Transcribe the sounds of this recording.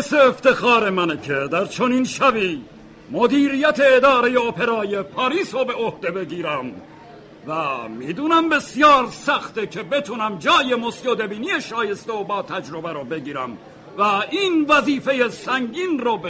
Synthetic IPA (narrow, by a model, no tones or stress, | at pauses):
seːft̪e̞xɑːɾe̞mænekʰed̪æɾt͡ʃʰoniːnʃæbiː | mod̪iːɾijæt̪ʰe̞ːd̪ɒːɾe̞jeopʰe̞ɾɑːjepʰɒːɾiːsobe̞ʔohd̪e̞be̞ɡiːɾæm | væmiːd̪uːnæmbe̞sjɒːɾsæxt̪ekʰe̞be̞t̪ʰunæmd͡ʒɒːje̞mosjoːd̪e̞biːnijeʃɒːje̞st̪eobɒːt̪ʰæd͡ʒɾobæɾobe̞ɡiːɾæm | væinvæziːfe̞jesæŋɡiːnɾob